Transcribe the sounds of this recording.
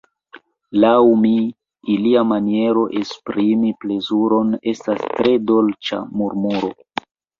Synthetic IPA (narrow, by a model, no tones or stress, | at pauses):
lawmiː | liamanie̞ɾo̞ʔespɾimiple̞zuɾo̞ne̞stastɾe̞do̞lt͡ʃa̰muɾmuɾo̞